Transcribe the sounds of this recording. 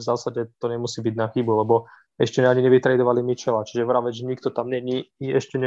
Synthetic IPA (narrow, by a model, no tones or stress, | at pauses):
vzaːsaɟɛt̪ɔɲɛmusiːbiɟnaxibulɛbɔ | ɛʃcɛɛaɲiɲɛʋit̪ɾɛjd̪ɔʋalimit͡ʃɛlat͡ʃiʒɛʋɾaʋɛʒɛɲikt̪ɔt̪amɲɛɲiiɛʃcɛɲ